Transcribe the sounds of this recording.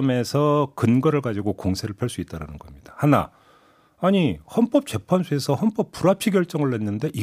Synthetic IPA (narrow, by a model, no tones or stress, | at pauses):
me̞sʰʌkɯnɡʌɾɯɭɡad͡ʑiɡokoŋsʰeɾɯɭpʰjʌɭs͈uit͈aɾanɯnɡʌmɲid̥ḁhana̰ | aɲihʌnp͈ʌp̚t͡ɕe̞pʰansʰue̞sʰʌhʌnp͈ʌp͈ːuɾapʰiɡjʌɭt͡ɕ͈ʌŋɯɭːe̞nːɯnde̞ʔi